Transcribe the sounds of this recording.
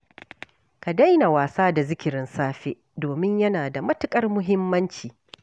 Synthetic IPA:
ka˨da˦jna˨waː˨saː˦da˨zɪ˦kʲɪ˨ɾɪ˦nsaː˦ɸe˦ʔdoː˨mɪ˦ɲjɐ˦naː˨da˨mɐ˦tɪ˨kʼɐ˦rmʊ˦ɦɪ˦mːɐ˦nt͡ʃiː˨

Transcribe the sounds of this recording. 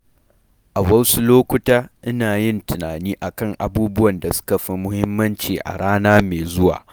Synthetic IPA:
ʔa˨wɐ˦wsu˦loː˦kʷʊ˦taː˦ʔɪ˦naː˨jɪ˦ntɪ˨naː˨niː˦ʔa˨kɐ˦˨ŋʔa˨buː˦bʊ˦wɐ˨nda˨sʊ̥˦ka˨ɸɪ˨mʊ˦hɪ˦mːɐ˦nt͡ʃiː˨ʔa̰˨ɽaː˦naː˦meː˨zʊ˦wa̰ː˨

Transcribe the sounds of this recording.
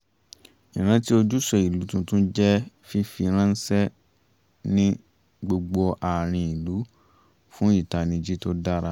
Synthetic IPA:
ĩ˨ɾ̃ã˦ti˦o˧d͡ʒu˦sɔ˧˨i˨lu˨˦tũ˧tũ˦d͡ʒɛ˦ | fi˦fi˧ɾ̃ã˦n̩˦sɛ˦ | nĩ˦ | ɡ͡bo˧ɡ͡bo˧ʔa˨ɾ̃ĩ˧i˨lu˨˦ | fũ˦i˦˨ta˧nĩ˧d͡ʒi˦to˦da˦ɾa˧˦

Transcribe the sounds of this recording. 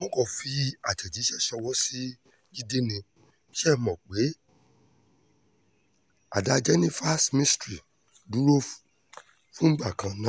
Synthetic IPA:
mɔ̃˦kɔ˨fi˧a˨tɛ˨d͡ʒi˨˦ʃɛ˦˨ʃɔ˧wɔ˦si˦ | ɡi˦de˦nĩ˧˦ | ʃɛ˦˨mɔ̃˨k͡pe˨˦ | a̰˨da˧d͡ʒɛ˦nĩ˦fa˦smĩ˦stɾi˨ | du˨˦ɾo˦ | fũ˦ɡ͡ba˦˨kã˨nã˦

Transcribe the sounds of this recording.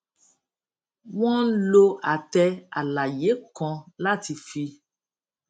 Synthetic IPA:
wɔ̃˦lo˧a˨tɛ˧a̰˨la˨je˨˦kɔ̃˧la˦˨ti˧fi˧

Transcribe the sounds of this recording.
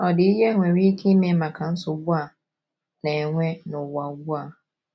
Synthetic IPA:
ɔ˨dɪ˨˦jɛ˦ŋʷɛ̃˨ɾi˦kʰĩ˦mɪ̃˨˦mã˨kʰã˨n̩˦sʊ˨˦bu˦a˨ | nã˨ɛ˨ŋʷɛ̃˦nʊ̃˨wa˨˦bu˦a˨

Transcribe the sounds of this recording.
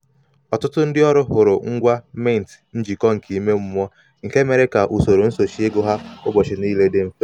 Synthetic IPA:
ɔ˨tʊ˦tʊ˦n̩˦dɪ˦ɔ˦ɾʊ˦ɦʊ˨ɾʊ˨ŋ̩˦ɡʷa˦me˦˨n̩˨tn̩˦d͡ʒi˨kɔ˦ŋ̩˨ki˨˦me˦m̩˦m˦ɔ˦ | ŋ̩˨ke˦me˨ɾe˦ka˨ʔu˨so˨ɾo˨n̩˦so˨ʃi˦e˦ɡʊ˦ɦa˦ʊ˦bɔ˨t͡ʃɪ˨ni˦le˦de˦m̩˦fe˦

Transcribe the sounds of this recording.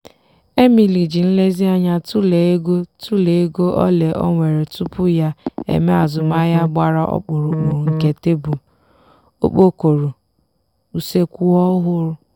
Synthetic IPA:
e˦mi˨li˨d͡ʒi˨n̩˦le˦zi˦a˦ɲa˦tu˦le˨˦e˦ɡo˦tu˦le˨e˦ɡo˦ʔɔ̰˦le˨ʔɔ̰˦ŋʷe˨ɾe˨tu˦pʊ˦ja˦ḛ˨me˦a˨zʊ˨ma˦ja˦ɡ͡ba˦ɾa˦ʔɔ̰˦k͡pʊ˨ɾʊ˨k͡pu˨ŋ̩˨ke˨te˦bu˨ | o̰˦k͡po˦ko˨ɾu˨ | u˨se˦kʷu˦ɔ˦ɦʊ˦ɾʊ˦

